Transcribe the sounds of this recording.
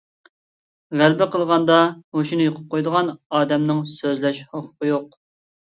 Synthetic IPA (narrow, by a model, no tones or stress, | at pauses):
ʁælbɪqʰəlˠʁɑnd̪ɑoʃunɨjoqʰʊ̥p̚qʰojd̪əʁɑnɑːd̪ɛmnɨŋsøzlɛʃhoqʰːʊ̥qəjoq